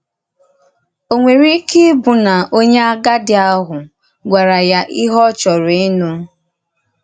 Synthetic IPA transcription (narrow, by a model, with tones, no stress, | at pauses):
o˨ŋʷe˨ɾi˦ki˦bʊ˨na˨o˦ɲe˦a˦ɡa˦dɪ˦a˦ɦʊ˨ | ɡʷa˨ɾa˨ja˦ʔi˦ɦɔ˦t͡ʃɔ˨ɾɪ˦nu˦